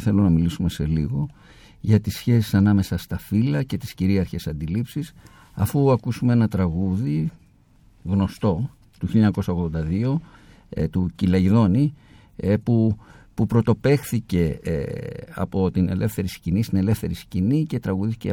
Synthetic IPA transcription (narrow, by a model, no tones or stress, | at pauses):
θe̞lonɐmilisume̞se̞lḭɣo̞ | ʝɐt̪isːçe̞si̥sɐnɐme̞sɐst̪ɐfilɐce̞t̪i̥sciɾiɐɾçe̞sɐnd̪ilipsis | ɐfuɐkusumee̞nɐt̪ɾɐɣuði | ɣno̞st̪o̞ | t̪uçilɲɐko̞sɐo̞ɣðo̞nd̪ɐðio̞ | t̪ucilɐʝiðo̞ni | pupupɾo̞t̪o̞pe̞xθice̞ | ɐ̰po̞t̪ine̞lʔe̞fθe̞ɾiscinist̪ine̞le̞fθe̞ɾiscinice̞t̪ɾɐɣuðisθi̥ce